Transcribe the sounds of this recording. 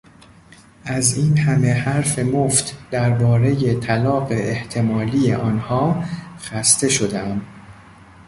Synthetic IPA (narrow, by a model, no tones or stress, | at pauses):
ʔæziːnhæme̞hæɾfe̞moft̪ʰd̪̥æɾbɒːɾe̞je̞t̪ʰælɒːɢe̞ʔeht̪ʰe̞mɒːliːjḛʔɒːnhɒːxæst̪e̞ʃo̞d̪eæm